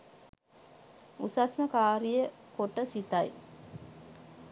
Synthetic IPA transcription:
usasməkaːɾijə | koʈəsit̪aj

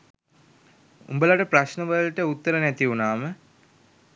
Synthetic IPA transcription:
ṵmbəlaʈəpraɕnəʋəlʈəut̪ːəɾənæt̪iunaːmə

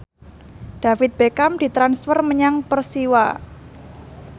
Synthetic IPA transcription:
ɖ̥a̤fɪt̪̚b̥ekamd̥i̤t̪ɾansfərməɲaŋpərsiwa

